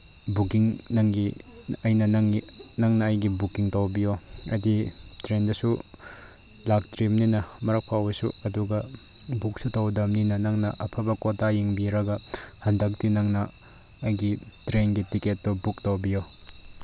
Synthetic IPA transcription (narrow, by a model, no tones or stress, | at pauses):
bukiŋnɐŋɡi | ɐjnɐnŋi | nɐŋnɐːjɡibukiŋtowbijoɐditɾendɐsu | lak̚tɾimninɐmɐɾɐk̚pʰawbɐsṵɐduɡɐ | buk̚sutɐwdɐmninɐnɐŋnɐʔɐpʰɐbɐkotajiŋbiɾɐɡɐhɐndɐk̚tinɐŋnɐː | jɡitɾenɡitiketːɔbuktowbijo